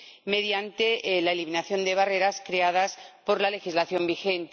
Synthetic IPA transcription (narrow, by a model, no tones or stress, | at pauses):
me̞ðjant̪elaeliminaθjo̞nd̪e̞βare̞ɾaskɾe̞að̞aspo̞ɾlale̞xizlaθjo̞mbixe̞nt̪